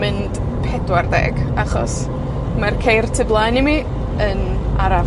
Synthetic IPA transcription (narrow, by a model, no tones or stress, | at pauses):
mɨnd̥ | pʰɛdwardɛ̰ɡaχɔ̰s | markʰejrtʰɨblˠajnimi | ənaɾa